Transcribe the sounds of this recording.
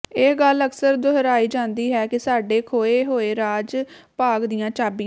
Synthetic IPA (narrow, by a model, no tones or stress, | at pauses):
ɪɡələksəɾd̪ʊɦəɾaːiːd͡ʒãːnd̪iːɦɛːkɪsaːɖeːkʰoːeːɦoːeːɾaːd͡ʒ | paːɡd̪ɪjãːt͡ʃaːbi